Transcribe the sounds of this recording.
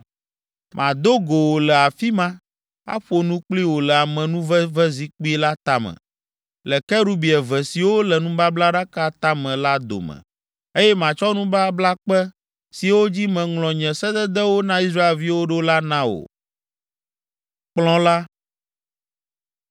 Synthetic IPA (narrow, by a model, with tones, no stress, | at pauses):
mʔã˨d̪o˦ɡo˨wo˨lɛ˨a˨fi˦mã˦ | a̰˦ɸo˦nũ˦k͡pli˦wo˨lɛ˨a˨mɛ̃˨nũ˦vɛ˦vɛ˦zi˨k͡pi˦la˦t̪a˦mɛ̰̃˨ | lɛ˨kɛ˦ɾu˦bi˨ɛ˨vɛ˨si˨wo˦lɛ˨nũ˦ba˦bla˦ɖa˦ka˦t̪a˦mɛ̃˨la˦d̪o̰˨mɛ̰̃˨ | e˦jɛ˦mã˨t͡ʃɔ˦nũ˦ba˦bla˦k͡pɛ˦ | si˨wo˦d͡ʑi˦mɛ̃˨ŋlɔ̃˨ɲɛ̃˨sɛ˦d̪ɛ˦d̪ɛ˦wo˦nã˦i˦sɾa˦e˨lvi˦wo˦ɖo˦la˦nã˦wo̰˨ | k͡plɔ̃˦la˦